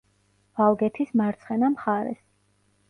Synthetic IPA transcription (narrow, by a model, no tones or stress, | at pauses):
valˠɡɛt̪ʰismaɾt̪sʰχɛnamχaɾɛ̰s